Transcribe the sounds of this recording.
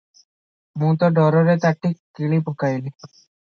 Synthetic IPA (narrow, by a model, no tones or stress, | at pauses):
mũt̪ɔɖɔɾɔɾet̪aʈːikːiɭipɔkajli